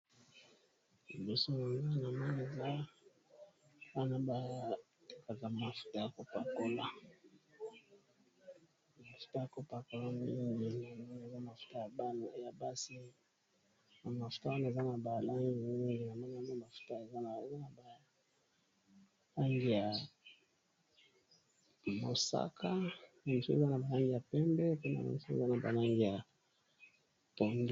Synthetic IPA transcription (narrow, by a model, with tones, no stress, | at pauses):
i˨bo˨so˦ma˨ŋɡa˦na˨ma˦ne˨za˦ | wa˦na˦ba˨ | to˦ka˨ka˨ma˨fu̥˦ta˦ja˨ko˨pa˨ko˦la˦ | ma˨fu̥˨ta˦ja˨ko˦pa˨ko˦la˦m˦i˦ŋi˨na˨ma˦na˨za˦ma˨fu̥˨ta˦ja˨ba˦n˨˦ja˨ba˦si˦ | na˨ma˨fu̥˨ta˦wa˦na˨e˨za˦na˨ba˨la˦ŋɡi˨˦i˦ŋɡi˨na˨ma˦na˦mo˦˨ma˨fu̥˨ta˦e˨za˦na˨za˦na˨ba˨ | la˦ŋɡi˨ja˨ | mo˨sa̰˦ka˦na˨mi˨su˦ḛ˦a˦na˨ba˨la˦ŋɡi˨ja˨pɛ˦mbɛ˦pɛ˦na̰˨na̰˨mi˨su˦ḛ˦za˦na˨ba̰˨la˦ŋɡi˨ja˨ | po˨ndu˦